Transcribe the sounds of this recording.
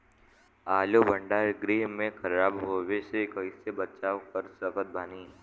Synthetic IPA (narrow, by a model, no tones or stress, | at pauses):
aːlobʱə̃ɳɖaːɾɡɾeːɦmẽkʰɐɾaːbɦoːʋesekəisebɐt͡ʃaːokəɾsəkət̪̚baːniː